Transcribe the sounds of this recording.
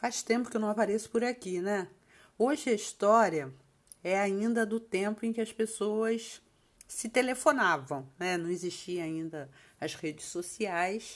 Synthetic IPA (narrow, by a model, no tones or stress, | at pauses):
faʃt̪ẽmpʊkɪewnɐ̃w̃apaɾesʊ̥pʊɾakinɛ | oʒɪɐist̪ɔɾiɐ | ɛaĩnd̪ɐd̪ʊt̪ẽpʊẽkɪɐspesoɐs | sɪt̪elefonavɐ̃w̃nɛnɐ̃w̃ɪziʃt͡ʃiɐ̃aĩnd̪ɐ | ɐshed͡ʒɪsosiajs